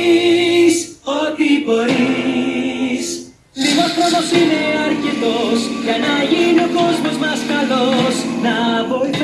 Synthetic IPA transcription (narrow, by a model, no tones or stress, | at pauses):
so̞t̪ibo̞ɾi | s | liɣospɾoðosine̞ɐɾcet̪o̞sʝɐnɐʝinio̞ko̞zmo̞zmɐskɐlo̞snɐvo̞iθ